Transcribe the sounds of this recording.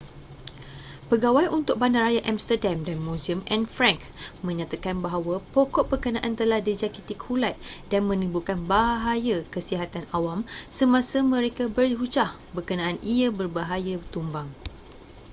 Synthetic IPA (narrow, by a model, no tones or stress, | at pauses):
pəɡawajʔunt̪ʊk̚bandarajaʔamst̪ərdamdanmũziəmɛ̃nfɾãŋkmə̃ɲãt̪akanbaɦawapokɔʔbəkənãʔant̪əlahdid͡ʒakit̪ikhulat̪̚danmə̃nibukanbaɦaɦajakəsiɦat̪anawamsəmãsamə̃ɾekabəriɦut͡ʃah | bəkənãʔaniabərbaɦajat̪umbaŋ